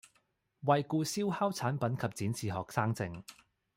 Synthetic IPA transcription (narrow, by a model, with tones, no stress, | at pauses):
wɐ˨jkuː˧siː˥whaː˥wt͡sʰaː˨˥npɐ˨˥nkʰɐ˨p̚t͡siː˨˥nsiː˨ɦɔː˨˩k̚saː˥ŋt͡sɪ˧ŋ